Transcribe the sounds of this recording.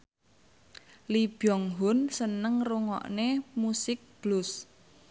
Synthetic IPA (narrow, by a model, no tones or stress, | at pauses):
lib̥jɔŋɦʊnsənəŋruŋɔ̰ʔnemusɪk̚b̥lʊs